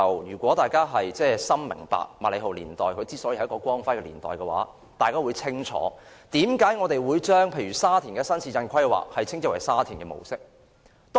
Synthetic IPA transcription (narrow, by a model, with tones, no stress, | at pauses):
wjyː˨˩kʷɔː˨˥t̪aː˨jkaː˥ɦɐ˨jt͡sɛː˥˧sɐ˥mmɪ̰˨˩ŋpa̰ː˨k̚maː˨˩le˨˧jɦo˨˩wlḭː˨˩nt̪ɔː˨jkʰɵ˨˧ɥt͡siː˥sɔː˨˥ji˧hɐ˧˥kɔː˧kʷɔː˥ŋfɐ˥jkɛː˧liː˨˩nt̪ɔː˨jkɛ˧wa̰ː˨˥ | t̪aː˨jkaː˥wuː˨˧jt͡sʰɪ˥ŋt͡ʃʰɔ̰ː˨˥ | t̪iː˨˥mkaː˨˥jŋɔː˨˧t̪e˨jwuː˨˧jt͡ʃœː˥ŋpʰe˨˧jɥyː˨˩saː˥t̪ʰiː˨˩nŋkɛː˧sɐ˥nt͡sʰiː˧t͡sɐ˧nkʰɐ˥jkwa̰ː˨k̚hɐ˨jt͡sʰɪ˥ŋt͡sːwɐ˨˩jsaː˥t̪ʰiː˨˩ŋkɛː˧mo̰˨˩wsɪ˥k̚ | t̪ː